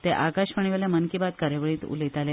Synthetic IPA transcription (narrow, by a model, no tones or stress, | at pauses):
t̪eʔakaɕʋəɳ̃iʋeljamənkibat̪kaɾeʋəɭiːt̪ṵlit̪ale